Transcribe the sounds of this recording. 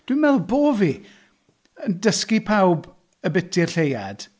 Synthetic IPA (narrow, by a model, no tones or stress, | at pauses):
d̥wimɛlˠboːvi | əndəskipʰawb | əbɪtʰɪrɬejad̥